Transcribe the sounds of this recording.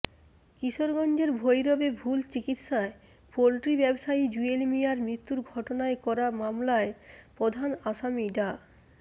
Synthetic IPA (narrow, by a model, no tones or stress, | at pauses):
kiʃoɾɡɔnd͡ʑeɾbʱojɾɔbebʱult͡ɕikit̪ʃae | polʈɾibɛbʃaid͡ʑuelmijaɾmɾit̪ːuɾɡʱɔʈonaekɔɾamamlaepɾod̪ʱanaʃamiɖa